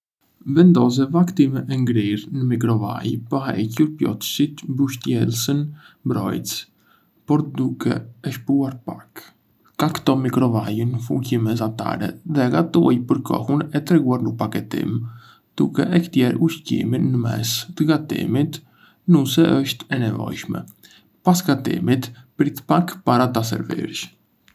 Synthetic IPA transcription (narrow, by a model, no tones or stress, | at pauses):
vɛnd̪ɔz̬ɛvakt̪imɛʔɛŋɡɾiɾnəmik̬ɾɔva̰jpəɦaɛcuɾpjɔ̰t̪ʃit̪buʃt̪jɛlsən | mbɾɔ̰jt͡s | pɔɾd̪ukʰɛ̰ɛʃpuaɾpak | kakt̪ɔmikɾɔvajunəfucimɛzat̪a̰ɾɛ̰ðɛɡat̪uajpəɾkʰɔ̰hunɛt̪ɾɛɡuaɾnəpakɛt̪ḭm | d̪̥ukɛʔɛkt̪jɛɾuʃcḭminːəmɛ̰st̪əɡat̪ḭmit̪ | nusɛʔəʃt̪ɛnɛvɔ̰jʃmɛ̰ | pasɡat̪ḭmit̪pɾit̪ə̥pakpaɾat̪as̬ɛ̰ɾvḭɾʃ